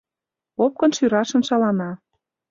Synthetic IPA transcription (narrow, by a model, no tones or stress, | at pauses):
op̚kɤ̆nʃyɾɑʃə̆nʃɑlɑnɑ